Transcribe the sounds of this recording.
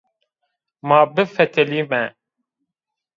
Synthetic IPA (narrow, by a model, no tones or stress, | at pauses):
maːbɨfɛt̪ʰɛliːmɛ